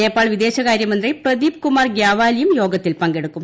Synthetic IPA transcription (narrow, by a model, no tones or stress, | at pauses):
eːpaːɭʋid̪e̞ːɕɐɣaːɾjɐmɐnd̪riprɐd̪iːb̚kumaːrɡjaːʋaːlijumjo̞ːɡɐt̪ːilpɐŋɡe̞ɽukkːum